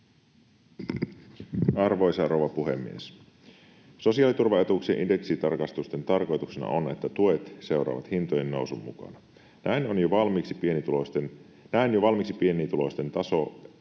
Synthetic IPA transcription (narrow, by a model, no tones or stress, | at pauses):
ɑrʋo̞jsɑrowʋɑpuɦe̞̰mːḭes | so̞siɑːlit̪urʋɑe̞t̪uksieʔinde̞ksit̪ɑrkɑst̪ust̪e̞nt̪ɑrko̞jt̪uksenɑ̰ʔone̞t̪ːæt̪ue̞t̪se̞uɾɑ̰ːʋɑ̰t̪hint̪oje̞nːo̞wsumːṵkɑ̰nɑ | næinonjoʋɑlmiksi̥pienit̪ulost̪en | næinjoʋɑlmiksipie̞nit̪ulo̞st̪e̞nt̪ɑso